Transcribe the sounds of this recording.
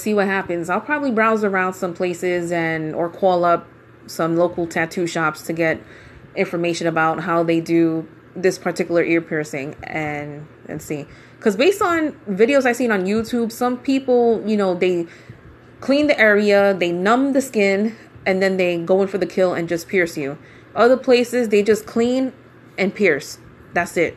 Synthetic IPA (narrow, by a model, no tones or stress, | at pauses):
siwʌt̚hæpɨ̃nzaɪlˠpʰɹ̥ɑbəblibɹaʊzə˞ãʊ̃nd̥sʌ̃mpʰl̥eɪsɪzɨ̃nə˞kʰɔlˠʌp̚ | sʌ̃mloʊkl̩ˠtʰætʰʉʃɑpstʰɨɡɛɾ | ɪ̃ɱfə˞meɪʃɨ̃nɨbaʊt̚ɦaʊðeɪdɨ | ðɪspʰə˞tʰɪkjl̩ˠə˞ʔɪɹpʰɪɹsɪ̰̃ŋɨ̃n | ɨ̰̃nsĩ | kʰʌzbeɪstn̩vɪɾioʊzaɪsĩnə̃njʉtʰʉbsʌ̃mpʰipl̩ˠjɨnoʊðeɪ | kʰl̥ĩnðiʔɛɹiɨðeɪnʌ̃mðɨskɪ̃n | ɨ̃nðɨ̃nðeɪɡoʊɪ̃nfə˞ðɨkʰɪlˠɨ̰̃nd͡ʒʌspʰɪɹsjʉ | ʔʌðə˞pʰl̥eɪsɨzðeɪd͡ʒʌskʰl̥ĩn | ɨ̃npʰɪɹs | ðætsɪt̚